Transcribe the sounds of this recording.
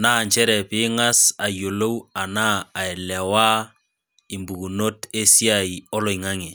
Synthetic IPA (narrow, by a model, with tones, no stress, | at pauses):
na˦˨ɲt͡ʃɛ˦ɾɛ˨pɪ˦ŋa˦sa˨jo˨lo˦wa˨naː˦˨ɛ˨lɛ˨wa˦ | i˨mbu˨ɡu˨no˦te˦si˦a˨i˨ɔ˦lɔ˨ɪ˨ŋa˦ŋe˨